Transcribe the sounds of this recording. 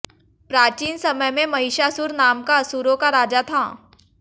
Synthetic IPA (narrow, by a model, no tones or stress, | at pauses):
pɾaːt͡ʃiːnsɐməjmẽmɐɦɪʃasuːɾnaːmkaɐsuːɾõkaɾaːd͡ʒat̪ʰaː